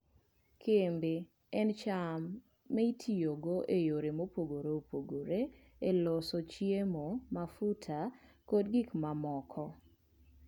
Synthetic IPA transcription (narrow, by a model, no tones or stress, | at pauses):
kʰembe | ɛnt͡ʃamː | ɛitʰijoɡoʔejoɾemopoɡoɾeopoɡoɾe | elosot͡ʃiemomafutʰa | kodɡikmamɔkʰɔ